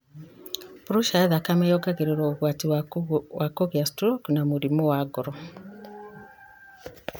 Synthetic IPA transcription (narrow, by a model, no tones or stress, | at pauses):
pɾuʃaðakamɛjɔɡaɣeɾeɾwɔoɣwatiwakɔɣjastɾɔknamuɾimɔwaɡɔɾɔ